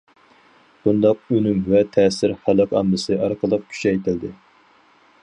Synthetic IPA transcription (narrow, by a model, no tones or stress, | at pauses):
b̥und̪ɑq̚ønymvɛt̪ʰɛːsɪɾhɑlˠəqʰɑmlɨsɨʔɑɾqəlˠəq̚kʲʰy̥ʃɛjt̪ɪld̪ɪ